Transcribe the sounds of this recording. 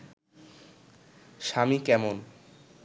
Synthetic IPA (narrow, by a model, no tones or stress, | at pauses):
ʃamikɛmon